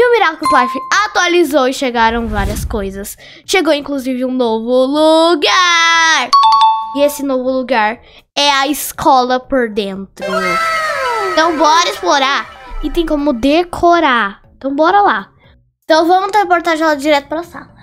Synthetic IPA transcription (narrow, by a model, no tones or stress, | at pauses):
iʊmiɾaklʊkʊk̪lafɪat̪ualizowɪʃeɡaɾɐ̃w̃vaɾiɐskojzɐs | ʃeɡowĩŋkluzivɪũnovʊluɡaɾiesɪnovʊluɡaɾ | ɛɐiskʰɔlɐpoɾd̪ẽnt̪ɾʊ | ẽt̪ɐ̃w̃bɔɾɐɪsploɾaɾɪt̪ẽj̃kõmʊd̪ekʰoɾaẽt̪ɐ̃w̃bɔɾɐla | ẽt̪ɐ̃w̃vɐ̃mʊt̪eɾpoɾt̪aʒẽlad͡ʒiɾɛt̪ʊ̥pɾasa̰lɐ